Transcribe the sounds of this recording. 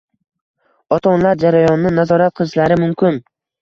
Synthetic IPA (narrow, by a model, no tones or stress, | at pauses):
ɒt̪ʰɒnlaɾd͡ʒaɾajɒnːɪnazɒɾat̪̚qʰɨlˠɪʃlaɾɪmʊmkʲʰɪn